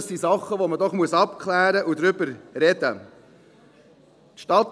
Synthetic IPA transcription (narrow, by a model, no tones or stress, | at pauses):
sisɑχəʋomədɔχmuəsɑpkʰlæːɾəʔud̪ɾʏbəɾɾɛd̥̪ə | t̪ʃtɑt̪